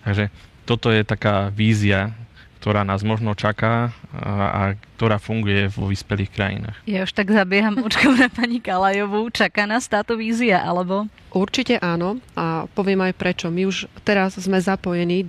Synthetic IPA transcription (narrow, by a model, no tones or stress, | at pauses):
t̪aɡʒɛt̪ɔt̪ɔjɛt̪akaːʋiːzia | k̚t̪ɔɾaːnaːzmɔʒnɔt͡ʃakaː | a̰k̚t̪ɔɾaːfuŋɡujɛʋɔ̰ʋiːspɛliːxkɾa̰jḭna̰ːxjauʃt̪aɡzabɪɛɦammut͡ʃkɔnapaɲikalajɔʋut͡ʃakaːnaːst̪aːt̪ɔʋiːziaʔalɛbɔ | ʔuɾt͡ʃicɛʔaːnɔapɔʋɪɛmajpɾɛt͡ʃɔmiuʃt̪ɛɾazzmɛzapɔjɛniː